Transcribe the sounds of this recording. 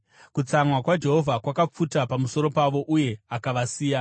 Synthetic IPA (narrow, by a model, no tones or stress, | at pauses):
kut͡samwakwad͡ʒe̞ɦo̞vʱakwakap͡futapamuso̞ɾo̞paʋo̞ʔuje̞akaʋasiːja